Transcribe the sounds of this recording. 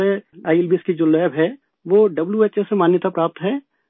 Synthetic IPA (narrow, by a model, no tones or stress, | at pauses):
eaːɪlbɪskid͡ʒolɛːbɦɛ | ʋoɖɐbljuetːʃesemaːnjət̪apɾaːp̚t̪ɦɛː